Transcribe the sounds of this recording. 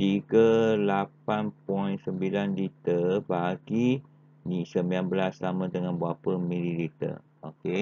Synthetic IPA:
iɡəlapanpɔinsəmbilanlit̪əbaɡi | nisəmianbəlaslamə̃d̪əŋãnbəapəmililit̪ə̰ | oke

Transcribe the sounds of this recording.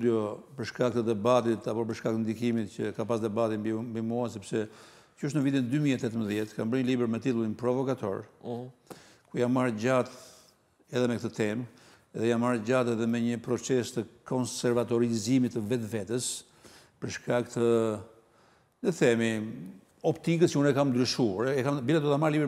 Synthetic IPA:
d̪jɔpəɾʃkak̚t̪əd̪ɛbat̪it̪apɔp̬əɾʃkak̚t̪ənd̪ikimit̪cəkapasd̪ɛbat̪imbimuas̬ɛpsɛ | cəəʃ̬tnəvit̪ind̪ymiɛt̪ɛt̪əmbəðjɛt̪kambəɲəlibɛɾmɛt̪it̪ulˠinpɾɔvɔkat̪ɔ̰ɾ | kujanmaɾd͡ʑat̪ | ɛðɛmɛkt̪ət̪ɛm | ɛðɛjanmaɾɟat̪ɛðɛmɛɲəpɾɔt͡sɛst̪əkɔnsɛɾvat̪ɔɾizimit̪ːəvɛt̪vɛt̪əs | pəɾʃkakt̪ə | nəθɛmi | ɔpt̪ik̬əsjəunɛkamnd̪ɾyʃuaɾɛɛkambilad̪ɔt̪amaɾlibɛ

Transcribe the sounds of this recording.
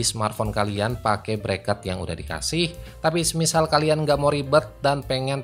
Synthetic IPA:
isəmart̪fɔnkalianpakɛbəɾekat̪̚jaŋṵdahdika̰sɪht̪apisəmisalkalianŋɡaʔmoɾibət̪̚danpeŋɛn

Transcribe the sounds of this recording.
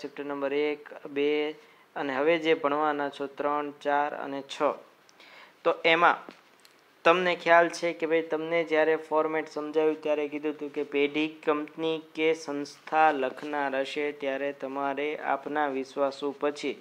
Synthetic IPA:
sɛp̚ʈənəmbəɾekbe | əneɦəʋed͡ʒebəɳ̃ʋanat͡ʃʰot̪ɾəɳt͡ʃaɾə̰net͡ʃʰə | t̪oʔemã̰ | t̪əmnekʰjalt͡ʃʰekebʱait̪əmned͡ʒjaɾefɔɾmɛʈsəmd͡ʒʱajũt̪jaɾekid̪ʱũt̪ũkepeɖʱikəmpnikesənst̪ʰaləkʰnaɾəʃet̪jaɾet̪əmaɾeʔa̰pnaʋɪʃʋasõpət͡ʃʰi

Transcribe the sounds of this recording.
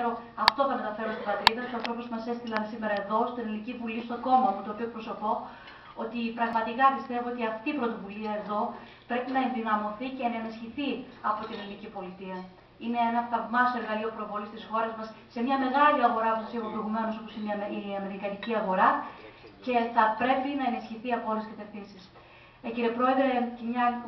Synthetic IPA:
ɾo̞ | ɐft̪o̞θɐmet̪ɐfe̞ɾost̪ibɐt̪ɾiðɐsuoɐnθɾo̞pozmɐse̞st̪ilɐnsime̞ɾɐe̞ðo̞st̪inelnicivulist̪o̞ɡo̞mɐmut̪oːpiokpɾoso̞po̞ | ot̪ipɾɐɣmɐt̪ikɐpist̪e̞vo̞o̞t̪iɐft̪iːpɾo̞t̪o̞vuliɐe̞ðo̞ | pɾe̞pinɐe̞nðinɐmo̞θice̞ːnɐenisçiθi | ɐpo̞t̪inelnicipo̞lit̪iɐ | ine̞enɐftɐvmɐse̞ɾɣɐlio̞pɾo̞vo̞list̪isxo̞ɾezmɐsse̞mɲɐme̞ɣɐliɐɣo̞ɾɐpusɐseɣopɾojɣume̞noso̞po̞siniiɐme̞ɾikɐniciɐɣo̞ɾɐ | ce̞θɐpɾe̞pinɐenisçiθiɐpoleskɐt̪e̞fθinsis | ciɾepɾo̞e̞ðɾe̞cemɲɐ

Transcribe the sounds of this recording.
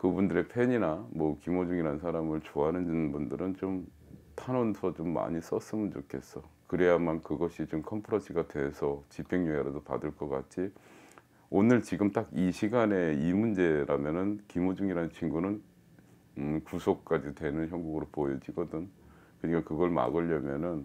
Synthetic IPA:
kɯbundɯɾe̞pʰeɲinamwʌkimod͡ʑuŋiɾansʰaɾamɯɭt͡ɕoaɦanɯnnɯnbundɯɾɯnt͡ɕom | tʰanonsʰʌt͡ɕomːa̰ɲis͈ʌs͈ɯmɯnt͡ɕo̰kʰe̞s͈ʌkɯɾe̞jamankɯɡʌɕʰit͡ɕomkʰʌmpʰɯɾosʰiɡatwe̞sʰʌt͡ɕipʰeŋɲojaɾadopa̰dɯɭk͈ʌk͈a̰t͡ɕʰi | onɯɭt͡ɕiɡɯmt͈akiɕʰiɡane̞imund͡ʑe̞ɾamjʌnɯnkimod͡ʑuŋiɾanɯnt͡ɕʰiŋɡunɯn | kusʰok̚k͈ad͡ʑitwe̞nɯnçjʌŋɡuɡɯɾopojʌd͡ʑiɡʌdɯn | kɯɲik͈akɯɡʌɭma̰ɡɯʎːʌmjʌnɯn

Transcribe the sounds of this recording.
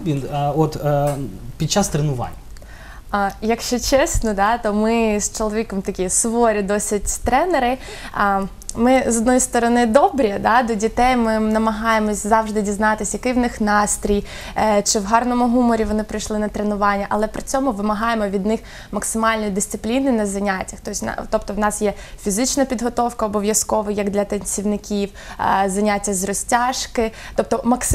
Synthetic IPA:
ʋʲinɔt̪ | pʲid̪̚t͡ʃast̪ɾenʊʋɑ̰nʲːɐ | jɐkʃt͡ʃɔt͡ʃɛsnɔd̪ɑt̪ɔmɪst͡ʃɔlˠɔʋʲikɔmt̪ɐkʲisʋɔɾʲid̪ɔsʲɪtʲt̪ɾɛneɾɪ | mɪzɔd̪nɔjist̪ɔɾɔnɪd̪ɔbɾʲid̪ɑd̪ɔdʲit̪ɛjmɪnɐmɐɦɑjemɔsʲzɑʋʒd̪ɪdʲiznɑt̪ɪsʲjɐkɪwnɪxnɑst̪ɾʲij | t͡ʃɪwɦɑrnɔmʊɦumɔɾʲiʋɔnɪpɾɪjʃlˠɪnɐt̪ɾenʊʋɑnʲːɐʔɐlˠɛpɾɪt͡sʲɔmʊʋɪmɐɦɑjemɔʋʲid̪nɪx | mɐksɪmɑlʲnɔjid̪ɪst̪ɪplʲinɪnɐzɐnʲatʲɐxt̪ɔsʲn̰t̪ɔp̚t̪ɔwnɑsjɛ | fʲizɪt͡ʃnɐpʲid̪ɦɔt̪ɔwkɐɔbɔʋʲjɐskɔʋɪjɐɡd̪lʲɐt̪enʲt͡ssʲiwnɪkʲiwzɐnʲatʲːɐzrɔsʲtʲɑʃkɪ | t̪ɔp̚t̪ɔmɐks

